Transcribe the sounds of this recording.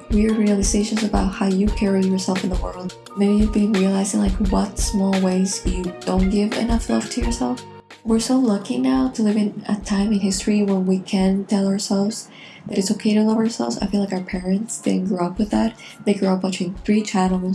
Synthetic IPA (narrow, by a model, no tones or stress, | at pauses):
wiə˞ɹiɨlˠɨzeɪʃɨ̃nzɨbaʊt̚haʊjɨkʰɛɹijə˞sɛlˠfɨ̃n̩ðəwɜ˞lˠd̥̚ | mɨ̃njɨvbĩnɹiɨlaɪzɪ̃ŋlaɪkwʌtsmɔlˠweɪz̥jɨd̥õʊ̃nɡ̥ɪvɨ̰nʌflʌv̥tʰɨjə˞sɛlˠf | wɪɹsoʊlʌkɪ̃ŋnaʊɾəlɪvɨ̃nɨ̰tʰãɪ̃mɨ̃nhɪstɹ̥iwə̃nwikʰɨ̃ntʰɛlˠə˞sɛlˠvz̥ | ðɨɾɨtsoʊkʰeɪɾɨblˠoʊvə˞sɛ̰lˠvzaɪfilaɪkaə˞pʰɛɹɨ̃ntsð̥ɨ̰̃nɡɹuʌpwɨðæt̚ | ðeɪɡɹuʌpɨtʰĩnθɹit͡ʃʰaɪɾl̩ˠz